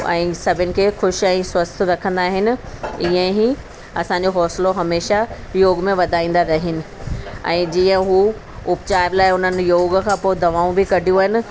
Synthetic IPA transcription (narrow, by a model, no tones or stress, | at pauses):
ɛ̰̃ːsɐbʱɪnɪ̆kʰeːxʊʃɛ̃ːswɐst̪̆ʰɾɐkʰə̃nd̪aːɦɪnɪ̆iːə̃ɦi | ɐsãɲd͡ʑoɦɔːsɪloɦɐmeːʃa | joːɡmẽʋɐd̪ʱaːĩːn̆d̪aɾɐɦɪnɪ̆ɛ̰̃ːd͡ʑiːə̃ɦu | ʊpt͡ɕaːɪʋlaːɪʊn̤ənɪ̆joːɡkʰãːpoːɪd̪ʱɐʋaːũbɪkɐɖʱijũaːɦɪnɪ̆